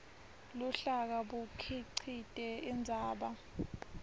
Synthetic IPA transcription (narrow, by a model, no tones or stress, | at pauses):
lɔɬak̬aɓukʰiǀʰitʼɛind͡zʱaːɓa